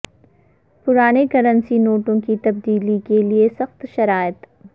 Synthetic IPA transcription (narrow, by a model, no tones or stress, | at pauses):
pʊɾaːnekɐɾə̃nsinoːʈõkit̪ɐb̚d̪iːlikeliesɐxt̪ʃɐɾaːjət̪